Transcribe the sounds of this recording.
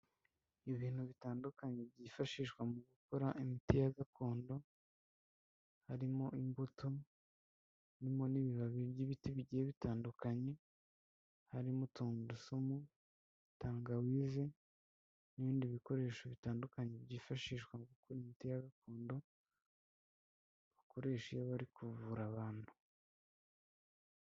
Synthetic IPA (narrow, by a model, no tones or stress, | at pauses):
iβiːn̥huβitaːndukaɲe̞bɟiːfaʃiːʃkwamuɡukoɾaʔimitijaɡakʰo̞ːndo̞ | haɾimo̞ʔimbutʰo | nimo̞niβiβaβiibɟiβitiβiɟieβitaːndukaɲe̞ | haɾimutuːndusumu | taːŋɡawiːze̞ | niβiːndiβiko̞ɾe̞ːʃoβitaːndukaɲebɟiːfaʃiʃkwaŋɡukuɾimitijaɡakuːndo̞ | βako̞ɾe̞ːʃijaβaɾikuvuɾaβaːn̥hu